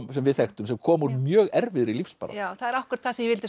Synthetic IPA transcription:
msɛmvɪðθɛhxt̪ʏmsɛmkʰɔːmuɾmjœːɣɛɾvɪðɾilifsppa̰ɾa̰aθaðɛɾahkʏɾḁt̪̚θasmjɛvɪlt̪ɪ

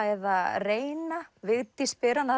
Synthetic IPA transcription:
ajðareːjnavɪɣt̪ispɪɾana

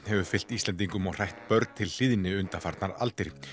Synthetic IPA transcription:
hɛvʏfɪl̥t̪ist̪lɛnt̪̬iŋkʏmɔɣr̥ajht̪pœɾt̪t̪ʰɪll̥ɪðnɪʏnt̪afaɾt̪naɾa̰lt̪ɪɾ

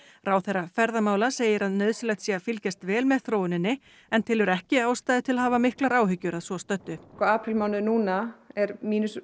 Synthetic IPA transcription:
raːwθɛrːafɛɾðamaːwlaseːjɪɾaðnœːðsɪlɛht̪siːafɪlcast̪vɛːlmɛðθɾoːwɪnɪnːɪ | ɛnt̪ʰɪlɛɾɛhcɪaːwst̪aːjðɪt̪ʰɪlahɦaːvamɪhklaɾaːwɦʏcːʏɾaðsɔst̪œt̪ːʏkɔaːpʰɾɪlmaːwnʏnuːnaɛɾmiːnʏs

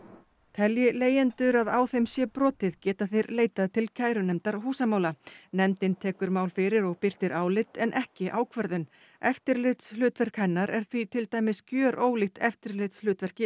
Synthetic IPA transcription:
t̪ʰɛljɪleːjɛnt̪ʏɾaðaːwθejmsjɛpɾɔːt̪ɪðcɛːt̪aθejɾleːjt̪aðt̪ʰɪlcʰaːjɾʏnɛmt̪aɾ̥ɦuːsamaːwlanɛmt̪ɪnt̪ʰɛːkʏɾmaːwlfɪɾɪɾɔɣpɪr̥t̪ɪɾʔaːwlɪt̪ɛnʔɛhcɪʔaːwkʰvɛɾðʏn | ɛft̪ɪɾlɪt̪shlʏːt̪vɛr̥khajnːaɾɛ̰ɾ̥θvit̪ʰɪlt̪aːjmɪscjœːɾʔoːwlɪxt̪ɛ̰ft̪ɪɾlɪt̪slʏːt̪vɛr̥cɪ

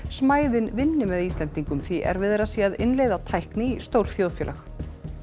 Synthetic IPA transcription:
smaːjðɪnvɪnːɪmɛðiːst̪lɛnt̪iŋkʏmθiʔɛ̰ɾvɪðɛɾasiːaðɪnlejðat̪ʰajhknɪist̪owɾ̥θjoːwðfjɛːlax

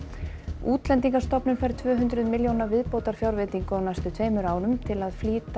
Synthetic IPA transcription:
uːt̪lɛnt̪iŋkḁst̪ɔpnʏnfajɾ̥t̪ʰvœːɦʏnt̪ɾʏðmɪljownavɪðpoːwt̪aɾ̥fjawɾvɪt̪iŋkʏɔwnajst̪ʏt̪ʰveːjmʏɾaːwnʏmt̪ʰɪlaðfliːt̪

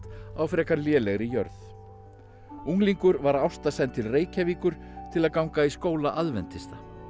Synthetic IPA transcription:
t̪awfɾɛːkaɾljɛːlɛɣɾɪjœ̰ɾθ | uŋliŋkʏɾvaɾawst̪asɛnt̪ʰːɪlreːjcaviːkʏɾ̥ | t̪ʰɪlaðkawŋkaiskoːwlaʔaðvɛnt̪ɪst̪a

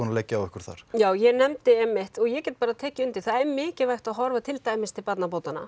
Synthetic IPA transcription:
ɔnalɛjcːaawɛhkʏɾ̥θa̰ɾ̥jaːwjɛnɛmt̪ɪɛmːɪht̪ɔɣjɛcɛːt̪̚paːɾat̪ʰɛːcɪʏnt̪ɪ̥θaðɛɾmɪːcɪvajxt̪aðɦɔɾvat̪ʰɪlt̪aːjmɪst̪ʰɪlpat̪nap̬oːwt̪ana̰

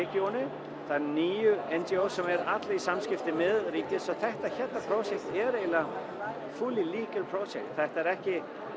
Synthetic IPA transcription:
ɪcownɪ | θaðɛɾniːjʏɛnt͡ɕiowsɔmɛɾat̪laisamscɪft̪ɪmɛðriːc̪ɪsɔɣθɛht̪açɛt̪apʰɾowsjɛk̚t̪ɛɾejla | fuːliliːkəɾpʰɾowsjɛk̚t̪θɛht̪aɛɾɛhcɪ

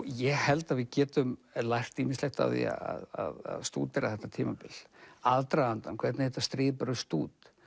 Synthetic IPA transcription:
jɛɣhɛlt̪aðvɪðcɛːt̪ʏmlajr̥t̪iːminslɛht̪a̰wðḭa̰a̰ðaða̰ðst̪ṵːt̪ɛɾaθɛht̪ːat̪ʰiːmapɪlaðt̪ɾaant̪a̰nkʰvɛɾt̪nɪhɛt̪ːast̪ɾɪːðpaɾʏst̪uːt̪

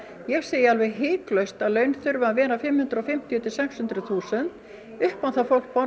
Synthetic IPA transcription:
jɛɣseːjɪalvɛɣɦɪːklœɥst̪aðlœːɥnθʏɾvʏaðvɛːɾafɪmhʏnt̪ɾɔfɪm̥t̪ʰjɔt̪ɪsɛkshʏnt̪ɾʏθuːsɛnt̪ | ʏhpanθafowl̥k̚pɔ

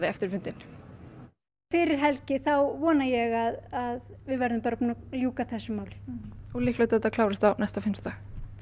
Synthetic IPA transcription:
ðɪɛft̪ɪɾ̥fʏnt̪ɪn | fɪɾɪɾ̥ɦɛlcɪθawvɔːnajɛɣaðaðvɪðvɛɾðʏmpaːɾapuːnaljuːkaθɛsːʏmaːwlɪ̥ulihklœjt̪ɛt̪akʰlaːwɾɪst̪awnɛst̪afɪmst̪ax

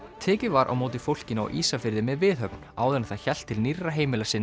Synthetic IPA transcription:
t̪ʰɛːcɪvaɾʔa̰wmoːwt̪ɪfowl̥cɪna̰wʔiːsafɪɾðɪmɛðvɪðɦœpn̥aːwɛnaθaðçɛl̥t̪ʰːɪlnirːaɦeːjmɪlasɪn

